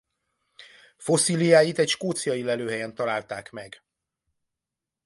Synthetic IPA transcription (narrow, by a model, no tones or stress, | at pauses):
fo̞siːlijaːjit̪ɛcʃkoːt̪sijɒjilɛløːɦɛjɛnt̪ɒlaːlt̪aːkmɛɡ